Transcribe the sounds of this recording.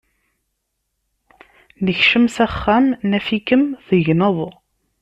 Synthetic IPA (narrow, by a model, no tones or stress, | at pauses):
nəçʃəmsæχːæmnæfikəmθəʝnəðˤ